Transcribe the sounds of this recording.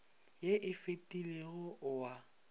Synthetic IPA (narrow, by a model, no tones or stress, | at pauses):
jeʔɪfetʼileɣʊʔʊwa